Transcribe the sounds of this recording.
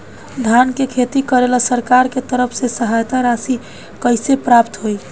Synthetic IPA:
d̪ʱankekʰet̪ikəɾeləsəɾkaɾket̪əɾəpʰsesəɦajt̪aɾasi | kəjsepɾapt̪ɦoj

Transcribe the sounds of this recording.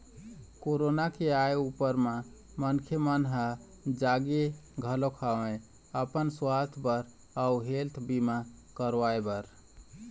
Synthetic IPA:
koɾonakeajupəɾma | mənkʰjəmənɦə | d͡ʒaɡeɡʱəlokʰaʋe | əpənswat̪ʰbəɾ | auɦelt̪ʰbimakəɾʋaebəɾ

